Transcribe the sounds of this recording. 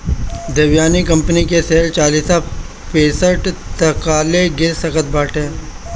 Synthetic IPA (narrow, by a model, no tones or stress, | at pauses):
d̪ɐʋjaːnikɐ̃mpənikeseːlt͡ʃaːliːsa | peːsəʈt̪ɐkaːleɡɪɾsɐkət̪̚baːʈẽː